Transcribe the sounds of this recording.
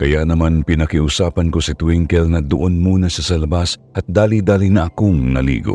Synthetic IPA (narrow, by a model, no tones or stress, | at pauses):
kɐjaʔnɐmanpɪnɐkɪʔʊsaːpɐnkosɪt̪wiŋkɛlnɐd̪ʊʔonmuːnɐsɐsɐlɐbasʔɐt̪̚d̪aːlid̪aːlinɐʔɐkoŋnɐ̰lḭːɡo̰